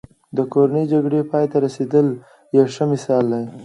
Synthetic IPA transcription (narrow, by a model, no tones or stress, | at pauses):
d̪əkoɾaned͡ʒaɡɽepɑjt̪aɾased̪əl | jawʂəmɪsɑld̪aj